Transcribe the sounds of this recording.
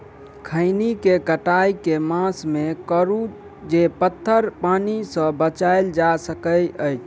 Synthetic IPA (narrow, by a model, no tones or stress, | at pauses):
kʰəɪnikekəʈajkemãsmekəɾu | d͡ʒepət̪ʰːəɾpanisə̃bət͡ʃaeld͡ʒasəkəjəjt͡ʃʰ